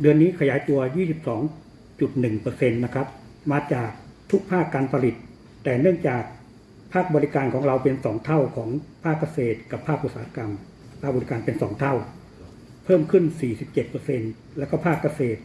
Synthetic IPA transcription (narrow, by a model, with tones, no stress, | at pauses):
dɯ˧ənːiː˦˥kʰa˧jaː˩˦jt̪u˧ɐjiː˥˩si˨˩p̚sɔː˩˦ŋ | t͡ɕu˨˩t̪̚nɯ˨˩ŋpɤː˧se˧nːa˦˥kʰɾa˦˥p̚ | maː˧t͡ɕaː˨˩k̚t̪ʰu˦˥k̚pʰaː˥˩kːaː˧npʰa˧li˨˩t̪̚ː | ɛː˨˩nɯ˥˩əŋt͡ɕaː˨˩k̚ | pʰaː˥˩k̚bɔː˧li˦˥kaː˧nkʰɔː˩˦ŋɾa˧wpe˧nsɔː˩˦ŋt̪ʰa˥˩wkʰɔː˩˦ŋpʰaː˥˩kːa˧seː˨˩t̪̚ka˨˩pʰːaː˥˩k̚ʔu˧˩t̪̚saː˧˦a˦˧ka˧m | pʰaː˥˩k̚bɔː˧li˦˥kaː˧npe˧nsɔː˩˦ŋt̪ʰa˥˩w | pʰɤː˥˩mkʰɯ˥˩nsiː˨˩si˨˩p̚t͡ɕe˨˩t̪̚pɤː˧se˧n | lɛː˦˥kɔ˥˩pʰaː˥˩kːa˧seː˨˩t̪̚